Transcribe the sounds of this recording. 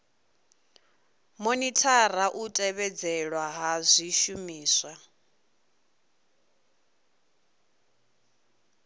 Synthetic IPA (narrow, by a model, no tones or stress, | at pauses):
monitʼʰaraʔutʼɛβɛd͡zɛɺwaɦazʷiʃumiːswa